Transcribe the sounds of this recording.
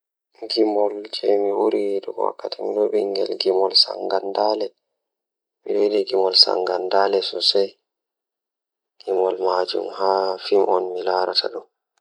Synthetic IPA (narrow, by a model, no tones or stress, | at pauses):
ɡimɔld͡ʒɛmiwuɾiwɗɔɡɔwa̰kːatimiɗɔɓɛŋɡɛ̰lɡimɔlsa̰ŋɡandalɛ | miɗɔwidiɡimɔlsa̰ŋɡandalɛsɔsaj | ɡ̥imɔlmad͡ʒṵmhaːfimʔɔnmilaɾatʰa̰ɗɔn